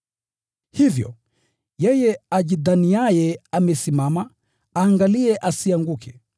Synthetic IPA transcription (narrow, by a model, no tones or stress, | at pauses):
hivjɔ̰ | jɛjɛaʄiðaniajɛamɛsimama | aːŋɡaliɛʔasiaŋɡukʰɛ